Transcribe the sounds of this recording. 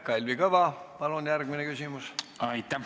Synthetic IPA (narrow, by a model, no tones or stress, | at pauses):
kɑlʲvikɤvɑpɑlunjærɡ̥minekysʲimusɑjt̪ːˑɑ